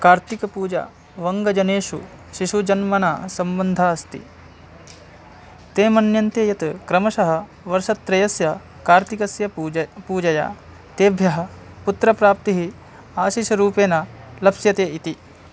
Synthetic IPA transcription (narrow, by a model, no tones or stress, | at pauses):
kaːɾt̪ikɐpuːd͡ʒa̰ː | ʋɐŋɡɐd͡ʒɐneːʃṵ | ʃiʃud͡ʒɐnmɐnaːsɐmbɐnd̪ʱaːɐst̪ḭ | t̪eːmɐnjɐnt̪eːjɐt̪kɾɐmɐʃɐɦɐ̆ | ʋɐɾʃɐt̪ːɾɐjɐsjɐ | kaːɾt̪ikɐsjɐpuːd͡ʒɐja̰ː | t̪eːbʱjɐɦɐ̆ | put̪ɾɐpɾaːp̚t̪iɦi | aːʃiːʃɐɾuːpeːnɐlɐpsjɐt̪eːit̪i